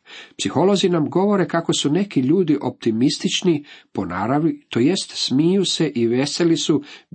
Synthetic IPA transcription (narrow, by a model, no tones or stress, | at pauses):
psixo̞lo̞zinamɡo̞ʋo̞ɾe̞kako̞sune̞kiʎuːd̪iʔo̞p̚t̪imist̪it͡ʃnipo̞na̰ɾaʋit̪o̞je̞st̪smijuse̞ʔiʋe̞se̞lisu